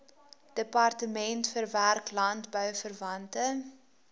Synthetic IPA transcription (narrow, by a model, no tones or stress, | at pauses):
d̥əpɐrtəmɛntfərværklɐntbœwfərvɐntə